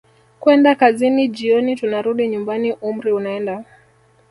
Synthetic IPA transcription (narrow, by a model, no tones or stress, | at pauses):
kwɛndakaziniʄiɔnitunaɾuɗiɲumbaniʔum̩ɾiunaɛnda